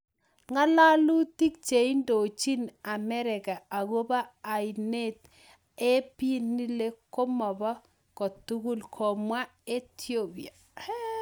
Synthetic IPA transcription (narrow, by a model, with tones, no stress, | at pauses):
ŋa˦la˦lu˦ti˦k̚t͡ʃe˨i˦ndo˨t͡ʃi˦na˨mɛ˦ɾɪ˨ka˨a˨ɣo˦baː˦˨jne˦t | e˦pi˦nːi˦le˦ko˦mɔ˨ba˦ | kɔ˨tu˦ɡu˦lkʰɔ˨mwa˦e˦tʰjo˦pi˨a˨